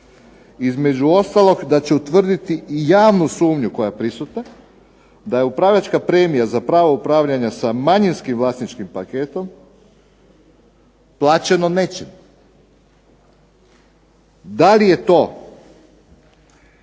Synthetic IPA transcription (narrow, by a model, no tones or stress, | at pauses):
izme̞d͡ʑuo̞st̪alˠo̞ɡd̪at͡ɕe̞ut̪ʋr̩d̪it̪ijaːʋnusuːmɲuko̞japɾisut̪a | d̪aje̞upɾaːʋʎʲat͡ʃkapɾe̞ːmijazapɾaːʋoupɾaːʋʎaɲasamaɲinskimʋlˠast̪nit͡ʃkimpake̞ːt̪o̞m | plˠaːt͡ʃe̞no̞ne̞t͡ʃim | d̪alije̞t̪o̞